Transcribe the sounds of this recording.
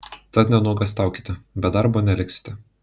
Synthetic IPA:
t̪ɐt̪nʲɛnuɔɡɐsʲt̪ɑˑʊkʲiːt̪ʲɪbʲɛd̪ɑɾboːnʲɛlʲɪksʲɪ̥t̪ʲɪ

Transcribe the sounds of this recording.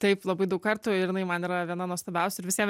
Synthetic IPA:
t̪ɐɪplˠɐbɐɪd̪ɐʊkkɐɾt̪ʊːɪɾɪnɐɪmɐniːɾɐʋʲiɛnɐnuɔst̪ɐbʲɛʊsʲɪɾʋʲɪsʲiɛm

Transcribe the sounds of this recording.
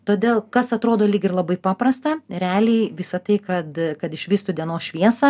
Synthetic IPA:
t̪oːd̪ʲeːlˠkɐsɐt̪ɾoːd̪oːlʲiːɡʲɪrlˠɐbɐɪpɑːpɾɐst̪ɐɾʲæːlʲiːʋʲɪsɐt̪ɐɪkɐt̪kɐt̪ɪʃʲʋʲiːst̪ʊdʲiɛnoːsʃʲʋʲiɛsɐ

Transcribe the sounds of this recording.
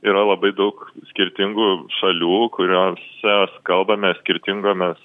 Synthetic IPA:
iːɾɐlˠɐbɐɪd̪ɐʊksʲkʲɪɾʲt̪ʲɪŋɡuʃɐlʲuːkʊɾʲoːsʲɛskɐlˠbɐmʲɛsʲkʲɪɾʲt̪ʲɪŋɡoːmʲɛs

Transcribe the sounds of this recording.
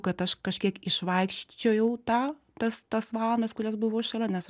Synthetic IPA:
kɐt̪ɐʃkɐʃʲkʲiɛkɪʃʋɐɪkʃʲt͡ʃʲɛʊjɛʊt̪ɑː | t̪ɐst̪ɐsʋɑːlˠnɐskʊɾʲɛsbʊʋoːɪʃɐlʲɛnʲɛs

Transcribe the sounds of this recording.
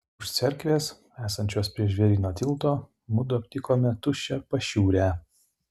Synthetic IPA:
ʊʃt̪sʲɛɾʲkʋʲeːs | æːsɐnʲt͡ʃʲoːspʲɾʲiɛʃʲʋʲɛɾʲiːnoːt̪ʲɪlˠt̪oː | mʊd̪ʊɐpʲt̪ʲɪkoːmʲɛt̪ʊʃʲɛpɐʃʲuːɾʲæː

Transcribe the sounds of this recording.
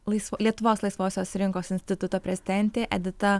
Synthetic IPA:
lˠɐɪslʲiɛt̪ʊʋoːslˠɐɪsʋoːsʲoːsɾʲɪŋkoːsɪnʲsʲt̪ʲɪt̪ʊt̪oːpʲɾʲɛzʲɪd̪ʲɛnʲt̪ʲeːʔɛd̪ʲɪt̪ɐ

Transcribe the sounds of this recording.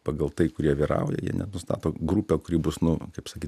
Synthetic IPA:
pɐɡɐlˠt̪ɐɪkʊɾʲiɛʋʲiːɾɐ̰ʊjɛ̰jḭɛnʲɛ̰nʊst̪ɑ̰ːt̪oːɡɾuːpʲoːkʊɾʲiːbʊsnʊkɐɪpsɐkʲiːt̪

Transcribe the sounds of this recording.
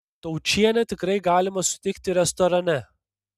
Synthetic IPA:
t̪ɐʊt͡ʃʲiɛnʲɛt̪ʲɪkɾɐɪɡɑːlʲɪmɐsʊ̥t̪ʲɛɪkt̪ʲɪɾʲɛst̪ɔɾɐnʲɛ

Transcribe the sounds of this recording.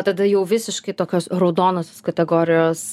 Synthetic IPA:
t̪ɐd̪ɐjɛʊʋʲɪsʲɪʃkɐɪt̪oːkʲoːsɾɐʊd̪oːnosʲoskɐt̪ʲɛɡoːɾʲɪjoːs

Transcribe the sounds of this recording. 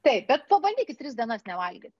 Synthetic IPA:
t̪ɐɪp̚bʲɛt̪̚pɐbɐnʲd̪ʲiːkʲɪt̪t̪ʲɾʲɪsd̪ʲiɛnɐsnʲɛʋɐlʲɡʲit̪ʲ

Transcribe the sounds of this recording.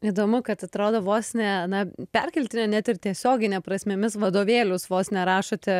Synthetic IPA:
id̪oːmʊkɐt̪ɐt̪ɾoːd̪oːʋoːsʲnʲɛnɐpʲɛrʲkʲɛlʲt̪ʲɪnʲɛnʲɛt̪ɪrt̪ʲiɛsʲoːɡʲɪnʲɛpɾɐsʲmʲɪmʲɪsʋɐd̪oːʋʲeːlʲʊsʋoːsʲnʲɛɾɑːʃoːt̪ʲɪ

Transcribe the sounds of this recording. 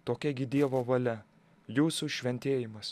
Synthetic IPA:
t̪oːkʲɛɡʲɪd̪ʲiɛʋoːʋɐlʲɛ | juːsuʃʲʋʲɛnʲt̪ʲeːjɪmɐs

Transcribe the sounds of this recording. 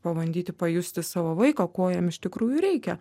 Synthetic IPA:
pɐʋɐnʲd̪ʲiːt̪ʲɪpɐjʊsʲt̪ʲɪsɑːʋoːʋɐɪkɐkoɔjɛmɪʃt̪ʲɪkɾuːjʊɾʲɛɪkʲɛ

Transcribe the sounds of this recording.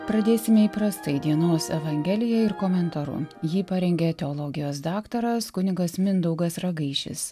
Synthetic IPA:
pɾɐd̪ʲeːsʲɪmʲɛiːpɾɐst̪ɐɪd̪ʲiɛnoːsɛʋɐŋʲɡʲɛlʲɪjɛɪɾkoːmʲɛnt̪ɐɾʊ̰jiːpɐɾʲɛŋʲɡʲɛt̪ʲɛɔlˠɔɡʲɪjoːsd̪ɑːkt̪ɐɾɐskʊnʲɪɡɐsmʲɪnd̪ɐʊɡɐsɾɐɡɐɪʃʲɪ̰s

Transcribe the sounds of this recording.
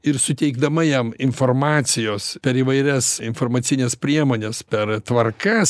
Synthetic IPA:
ɪɾsʊt̪ʲɛɪɡd̪ɐmɐjɛmɪnfoːrmɑːt̪sʲɪjoːspʲɛɾiːʋɐɪɾʲɛsɪnfoːrmɐt̪ʲɪnʲespʲɾʲiɛmoːnʲɛspʲɛɾt̪ʋɐrkɐs

